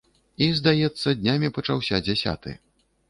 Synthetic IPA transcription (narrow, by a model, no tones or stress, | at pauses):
izd̪ajɛt̪sːɐd̪ʲnʲamʲipɐt͡ʂawsʲad͡zʲasʲa̰t̪ɨ̰